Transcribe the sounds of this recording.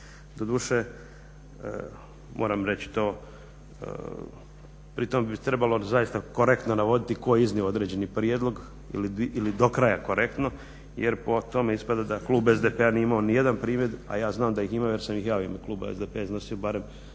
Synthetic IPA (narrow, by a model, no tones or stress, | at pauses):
d̪od̪uːʃḛ | mʔoːɾamɾet͡ɕi̥t̪o̞̰ː | pɾit̪o̞mebit̪ɾe̞balo̞zajist̪ako̞ɾekt̪no̞naʋo̞d̪it̪iko̞jizniood̪ɾed͡ʑe̞nipɾijed̪lˠo̞ɡ | ḭliilid̪okɾajakoɾʔe̞kt̪no̞ | jeɾpo̞t̪o̞meispad̪ad̪aklˠuːbezd̪epeaniimaonije̞d̪anpɾiːmjed̪a̰jaːznaːmd̪ajiximajeɾsamjixjaːoimakluːba̰ezd̪epeaizno̞siobaːɾe̞m